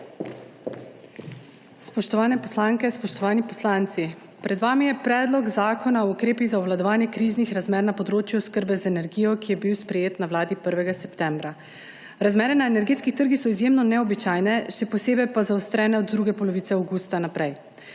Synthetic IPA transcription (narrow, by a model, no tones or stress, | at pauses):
spɔʃt̪ɔʋaːnɛpɔslaŋkɛspɔʃt̪ɔʋaːnipɔslaːnt̪si | pɾɛd̪ʋaːmijɛpɾɛːd̪lɔɡzaːkʰɔnaɔukɾeːpiɣzaɔʋlad̪ɔʋaːnjɛkɾiznixɾazmɛːɾnapɔd̪ɾoːt͡ʃjuskəɾbɛzaɛnɛɾɡijɔkijɛbiwspɾɛjeːt̪nawlaːd̪ipəɾʋɛɡasɛpt̪ɛːmbɾa | ɾazmɛːɾɛnaenɛɾɡeːt̪skixt̪əɾɡixsɔizjeːmnɔnɛɔbit͡ʃaːjnɛʃɛpɔseːbɛjpazaɔst̪ɾɛːnɛɔd̪d̪ɾuːɡɛpɔlɔʋiːt̪sɛawɡuːst̪anapɾɛj